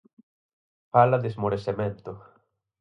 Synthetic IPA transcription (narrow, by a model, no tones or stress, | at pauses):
falaðezmoɾesemẽnt̪ʊ